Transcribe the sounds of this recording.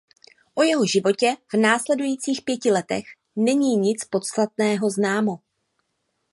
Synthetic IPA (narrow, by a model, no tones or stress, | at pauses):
ʔo̞jɛɦo̞ʒɪvo̞cɛv̥naːslɛdujiːt͡siːxpjɛcɪlɛt̪ɛ̰x | nɛɲiːɲɪt͡spo̞t̪st̪at̪̚nɛːɦo̞znaːmo̞